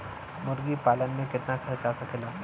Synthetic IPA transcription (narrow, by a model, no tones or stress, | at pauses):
mʊɾɡipaːlənmẽkɪt̪nakʰɐɾt͡ʃasakʰɪlaː